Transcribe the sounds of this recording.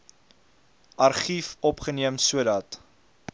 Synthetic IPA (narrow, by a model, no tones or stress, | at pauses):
ʔɐrχifɔpχəniəmsuədɐt